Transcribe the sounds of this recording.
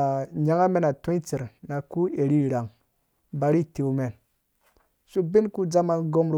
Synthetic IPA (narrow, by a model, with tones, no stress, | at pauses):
ɲa˦ŋa˦me˦na˨tu˦i˦t͡si˨ɾna˨ku˦e˨ɾi˦ɾa˨ŋ | ba˨ɾi˦˨te˨u˨˦me˨n | su˦bi˦nku˦d͡za˦ma˨nɡo˦mɾ